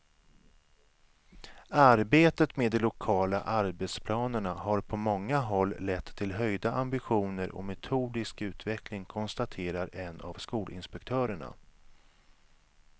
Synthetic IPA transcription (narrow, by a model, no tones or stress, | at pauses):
aɾbeːt̪ət̪meːd̪ːɛlʊkʰɑːla̰ʔaɾbɛt̪spʰlɑːnəɳaɦaɾpʰɔmɔŋːaɦɔlːɛt̪ʰːɪlɦœjd̪aʔambɪɧuːnəɾʔɔ̰mɛt̪ʰuːd̪ɪskʉ̟ːt̪vɛklɪŋkʰɔnst̪at̪ʰeːɾaɾɛna̰vskuːlɪ̰nspɛkt̪ʰœːɾəɳa̰